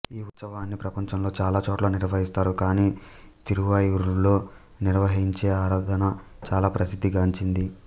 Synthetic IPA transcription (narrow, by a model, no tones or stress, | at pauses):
iːut̪sɐʋaːnːipɾɐpɐɲt͡ʃɐmlo̞ːt͡ʃaːlaːt͡ʃoːʈloːniɾʋɐɦist̪aːɾukaːniːt̪iɾuʋɐjuɾulo̞ː | niɾʋɐɦiɲt͡ʃe̞ːaːɾaːd̪ʱɐnɐt͡ʃaːlaːpɾɐsid̪ʱːiɡaːuɲt͡ʃind̪i